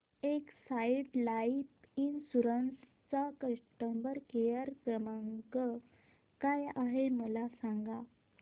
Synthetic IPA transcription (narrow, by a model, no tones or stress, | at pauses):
eksajʈlaipinsuɾəns | t͡sakəʂʈəmbəɾkejəɾkɾəməŋkə | kajaɦeməlasãŋɡa